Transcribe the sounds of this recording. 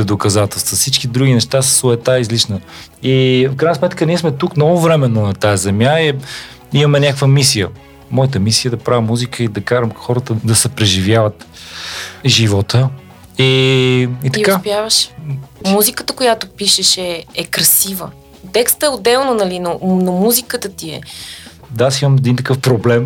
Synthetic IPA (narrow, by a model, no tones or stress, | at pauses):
ɛd̪okɐzat̪ɛlˠst̪vəfsit͡ʃkid̪ɾuɡ̟ʲinɛʃt̪asə̥sʊɛt̪aizliʃnə | ifkɾajnəsmɛt̪kənʲiɛsmɛt̪uknɔvʊvɾɛmɛnːonɐt̪ajɐzɛmʲjai | imɐmɛnʲakkvəmisijə | mɔjət̪̬əmisijəd̪ɐpɾavimːuzikʰəid̪ɐkaɾəmxɔɾət̪əd̪ɐsɛpɾɛʒivjavət̪ | ʒivɔt̪ə | i | it̪ɐkapjavəʃmuzikət̪əkojat̪ʊpiʃɛʃɛɛkɾɐsivə̰ | t̪ɛkst̪əɛod̪ɛlˠnonɐlinonomuzikət̪ət̪iɛ̰ | d̪asiməmɛd̪int̪ɐkɤfpɾoblɛm